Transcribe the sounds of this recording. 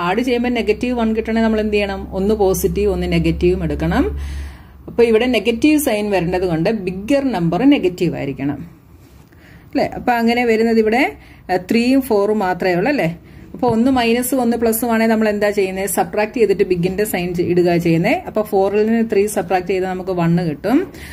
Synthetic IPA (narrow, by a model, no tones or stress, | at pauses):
aːɽɨt͡ɕe̞jːɐmbɐne̞ɡɐtːiʋʋɐɳkiʈːɐɳenɐmːɐɭend̪ijːɐɳɐmonːɨpo̞ːsitːiʋo̞nːɨneɡɐtːiʋumeɽukːɐɳɐm | ɐpːoːiʋiɽe̞ne̞ɡɐtːiʋɨsɐjnʋɐɾuɳɖɐðuko̞ɳɖɨbiɡːɐrnɐmbɐrɨne̞ɡɐtːiʋa̰ːiɾikʲːɐɳɐ̰m | ɐlːḛʔɐ̰pːoːɐŋːɐne̞ʋɐɾunːɐðiʋiɽe̞ | t̪riːjumfo̞ːrmaːt̪rɐjuɭːɐlːe̞ɐpːoːonːɨmɐjnɐsːɨo̞nːɨpɭɐsːumaːɳenɐmːɐɭe̞nd̪aːt͡ɕe̞jːunːɐðsɐpraːk̚tetðitːɨbiɡːindesɐjniɽuɣaːt͡ɕe̞jːunːɐðʔɐpːoːfo̞ːrilinɨt̪riːsɐpraːk̚ʈɨt͡ɕe̞jnːɨnɐmukːɨʋɐɳːɨkiʈːum